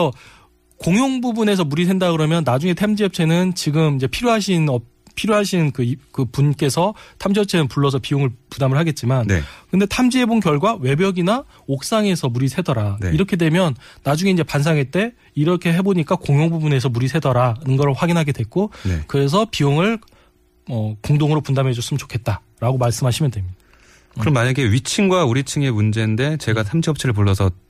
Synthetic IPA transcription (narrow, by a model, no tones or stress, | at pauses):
sʰʌ | koŋjoŋbubune̞s̬ʰʌmuɾis̬ʰe̞ndakɯɾʌmjʌnːad͡ʑuŋetʰamd͡ʑiʌp̚t͡ɕʰe̞nɯnt͡ɕiɡɯmind͡ʑe̞pʰiɾjoɦaɕʰinʌ | pʰiɾjoɦaɕʰinkɯkɯpunk͈e̞sʰʌtʰamd͡ʑiʌp̚t͡ɕʰe̞nɯnpuɭːʌs̬ʰʌpioŋɯɭpudamɯɭɦaɡe̞t̚t͡ɕ͈iman̰kɯnde̞tʰamd͡ʑiɦebonkjʌɭɡwawe̞bjʌɡina | ok̚s͈aŋe̞sʰʌmuɾisʰe̞dʌɾaiɾʌkʰe̞dwe̞mjʌnːad͡ʑuŋe̞ind͡ʑe̞pansʰaŋet͈e̞ | iɾʌkʰe̞ɦe̞boɲik͈akoŋjoŋbubune̞s̬ʰʌmuɾisʰe̞dʌɾanɯnɡʌɾɯɭɸwaɡinɦaɡe̞dwe̞k̚k͈onekɯɾe̞s̬ʰʌpioŋɯɭ | ʌkoŋdoŋɯɾopundamɦe̞d͡ʑus͈ɯmnt͡ɕo̥kʰe̞t̚t͈a | ɾaɡomaɭs͈ɯmɦaɕʰimjʌndwe̞mid̥a | kɯɾʌmːaɲaɡe̞ɥit͡ɕʰiŋɡwauɾit͡ɕʰiŋe̞mund͡ʑe̞nde̞t͡ɕe̞ɡatʰamd͡ʑiʌp̚t͡ɕʰiɾɯɭp̬uɭːʌsʰʌ